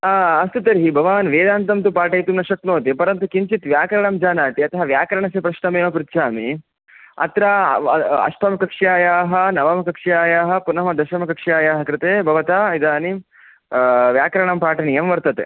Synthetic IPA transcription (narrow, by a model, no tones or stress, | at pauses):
aɐst̪ut̪ɐɾɦibʱɐʋaːnʋeːd̪aːnt̪ɐmt̪upaːʈɐjt̪unɐʃɐk̚noːt̪epɐɾɐnt̪ukiɲt͡ʃit̪ʋjaːkɐɾɐɳɐmd͡ʒaːnaːt̪iɐt̪ɐɦɐʋjaːkɐɾɐɳɐsepɾɐʃnɐmeːɐpɾɪt̪ːʃʰaːmḭ | ɐ̰t̪ɾa | ɐ̰ʂpʰɐmɐkɐkʂjaːjaːɦɐnɐʋɐmɐkɐkʂjaːjaːɦɐ̆punɐmɐd̪ɐʃɐmɐkɐkʂjaːjaːɦɐkɾɪt̪eːbʱɐʋɐt̪aːid̪aːni | ʋjaːkɐɾɐɳɐmpaːʈɐɳijɐmʋɐɾt̪ɐt̪ḛ